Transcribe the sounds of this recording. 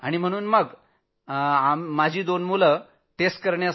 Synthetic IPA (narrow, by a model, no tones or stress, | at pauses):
a̰ɽ̃im̤əɽ̃uːnməɡ | amːad͡ʑʱiːd̪onmulə | ʈesʈ̚kəɾɳja